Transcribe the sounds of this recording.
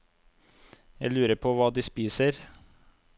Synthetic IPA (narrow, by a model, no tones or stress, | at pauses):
jæɪlʉːɾəpʰoʋɑːd̪iːspiːsəɾ